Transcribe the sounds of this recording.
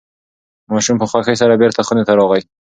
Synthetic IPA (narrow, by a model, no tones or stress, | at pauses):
mɑʃumpəxwaxajsaɾabeɾt̪axʊnet̪aɾɔɣaj